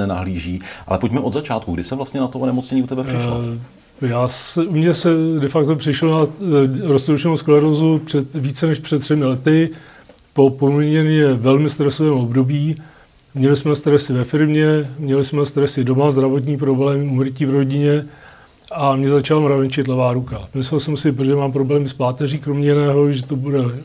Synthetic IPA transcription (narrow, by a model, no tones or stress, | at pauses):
ɛna̰ɦliːʒiːʔa̰lɛpocmɛʔod̪zat͡ʃaːt̪kuɡdɪsɛvlast̪ɲɛnat̪oʔonɛmot͡sɲɛɲiːut̪ɛbɛprɪʃ | jaːsɛumɲɛsɛdɛfakt̪o̞pr̥ɪʃlonaɾost̪owt͡ʃɛnowsklɛɾozupr̥ɛt̪viːt͡sɛnɛʃpr̥ɛt̪ːr̥ɛmɪlɛt̪ɪ | po̞pomɪɲɛnɲɛvɛlmɪst̪ɾɛsovɛːmo̞bdo̞biː | mɲɛlɪsmɛst̪ɾɛsɪvɛfɪɾmɲɛmɲɛlɪsmɛst̪ɾɛsɪdomazd̪ɾavo̞t̪̬ɲiːp̬ɾo̞blɛːmɪumɾciːvɾo̞ɟɪɲɛ | ʔamɲɛzat͡ʃalamɾavɛnt͡ʃɪt̪lɛvaːɾukamɪsɛlsɛmsɪpʒɛmaːmpɾo̞blɛːmɪspaːt̪ɛriːkɾomɲɛjɪnɛːɦo̞ʒɛt̪obudɛ